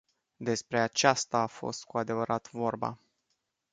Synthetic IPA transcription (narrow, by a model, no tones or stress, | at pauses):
d̪e̞spɾe̞at͡ʃast̪aːfo̞̰st̪̚kuad̪e̞vəɾʔat̪vo̞rba̰